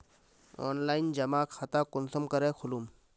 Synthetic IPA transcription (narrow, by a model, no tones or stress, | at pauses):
o̰ːnlaːind͡ʒɐmaːkxat̪aːkʊnsəmkəɾeːkʰʊlum